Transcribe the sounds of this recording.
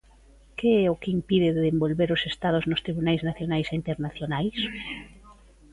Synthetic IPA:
keɛokɪimpiðɪððembolβeɾosest̪að̞oznʊst̪ɾiβunajznaθjonajsint̪eɾnaθjonajs

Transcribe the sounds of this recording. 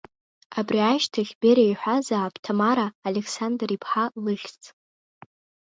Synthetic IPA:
abriaʃtʰaχʲbeɾejħʷᶣazaːpʰʼtʰamaɾaːlekʰsandripʰħalɨʃʲt͡sʼ

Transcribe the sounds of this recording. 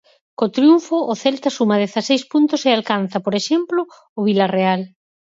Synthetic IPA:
kot̪ɾjuɱfʊːθɛlt̪ɐsumɐðeθasejspunt̪ʊsealkan̟θɐpoɾeʃɛmplʊ | ʊβilareal

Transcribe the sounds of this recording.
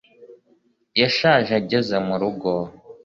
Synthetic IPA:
jaʃaːʒaɟezemuɾuɡo

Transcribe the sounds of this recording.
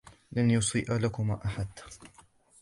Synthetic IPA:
lanjʊsˤiːʔalakʊma̰ːʔaħad̪

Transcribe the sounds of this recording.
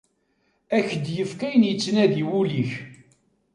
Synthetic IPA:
æçəd̪jəfkæjənjət͡sːnæðiwuliç

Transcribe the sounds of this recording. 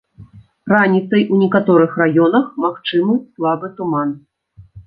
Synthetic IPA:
ranʲit̪sɐjʔunʲɛkat̪ɔɾɨxrajɔnɐxmaxt͡ʂɨmɨslˠabɨt̪uman

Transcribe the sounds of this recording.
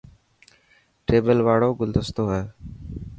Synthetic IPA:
ʈeːbəlʋaːɽoːɡʊld̪əst̪oːɦɛː

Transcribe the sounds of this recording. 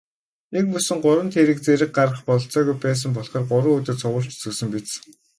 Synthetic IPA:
ek̚pɵsɘ̆ŋɢʊɾwə̆nt̪ʰeɾɘ̆k̚t͡seɾɪ̆k̚ɢaɾə̆χpɔɬt͡sœːɣujpæːs̬ə̆mpɔɮχə̆ːrɢʊɾʊ̆ːuːt̪ɘ̆t͡sʰʊʁʊ̆ːɮt͡ɕu̥t͡sɵ̆sɘ̆mpit͡s

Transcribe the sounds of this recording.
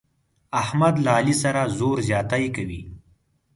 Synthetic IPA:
ahmad̪laːlisaɾazoɾzjɑːt̪ajkawḭ

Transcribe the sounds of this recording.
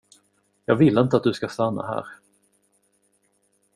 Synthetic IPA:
jɑːɡvɪlːɪnt̪əat̪̚d̪ɵskast̪anːa̰ɦæ̰ːɾ

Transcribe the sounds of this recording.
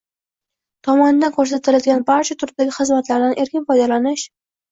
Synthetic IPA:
t̪ʰɒmɒnɪd̪ankʰoɾs̬at̪ʰɪɾad̪ɪɡʲanbaɾt͡ʃʰat̪ʰʊɾd̪aɡʲɪχɨzmat̪laɾd̪anʔe̞ɾkʲɪnfɒjd̪alanɪʃ

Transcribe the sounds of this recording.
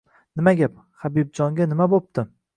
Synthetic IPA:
nɪmaɡʲap | habib̚d͡ʒɒŋɡʲanɪmabop̚t̪ʰɪ

